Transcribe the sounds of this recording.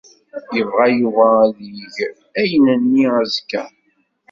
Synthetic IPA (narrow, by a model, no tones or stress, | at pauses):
jəvʁæjuvæðiʝ | æjənənːiæzkːæ̰